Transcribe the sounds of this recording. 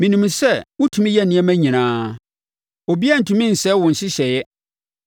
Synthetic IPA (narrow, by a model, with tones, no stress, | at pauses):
mĩ˨nũ˨m˨sɛ˦˨wʊ˦tʰũ˨mĩ˦jɛ˦nĩ˨˦ɛ˦mæ̃˦ɲĩ˨nãː˦ | o˨bi˦a˦˨n̩˨tʰũ˨mĩ˦n̩˨sɛ˦wʊ̃˨n̩˨ɕɪ˦ɕɛ˨jɛ˦